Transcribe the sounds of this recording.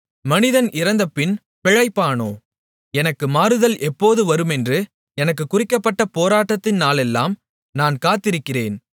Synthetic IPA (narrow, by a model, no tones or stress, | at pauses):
mɐnɪðɐnɪɾɐnd̪ɐpːɪn | pɛɻɐɪpːaːnoː | ɛnɐkːɯmaːɾɯðɐlʔɛpːoːðɯʋɐɾɯmɛndrɯ | ɛnɐk̬ːɯkːʊrɪkːɐpːɐʈːɐpoːɾaːʈːɐt̪ːɪnaːlɛlːaːm | naːnkaːt̪ːɪɾɯkːɪreːn